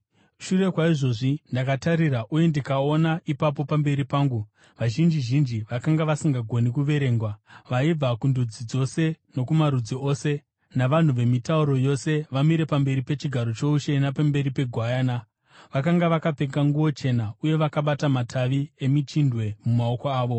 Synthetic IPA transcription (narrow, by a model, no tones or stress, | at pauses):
ʃure̞kwaiʐo̞ʐindakataɾiɾaʔujendikaonaʔipapo̞pambe̞ɾipaːŋɡu | ʋaʒind͡ʒiʒind͡ʒiʋakaŋɡaʋasiŋɡaɡʱo̞nikuʋe̞ɾe̞ːŋɡwaʋaib͡vakundud͡zid͡zo̞se̞no̞kumaɾud͡zio̞ːse̞ | naʋan̤uʋe̞mitauɾo̞jo̞se̞ʋamiɾe̞pambe̞ɾipe̞t͡ʃiɡʱaɾo̞t͡ʃo̞uʃenapambe̞ɾipe̞ɡʱwajaːna | ʋakaŋɡaʋakape̞ŋɡaŋɡuwo̞t͡ʃe̞nauje̞ʋakaɓatamatʰaʋie̞mit͡ʃindwe̞mumao̞ko̞aːʋo̞